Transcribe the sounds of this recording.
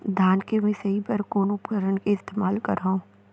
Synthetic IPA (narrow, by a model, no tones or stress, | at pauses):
d̪ʱaːnkemẽsɐɦibɐɾkoːnʊpkəɾənkeɪst̪eːmaːlkɐɾaũː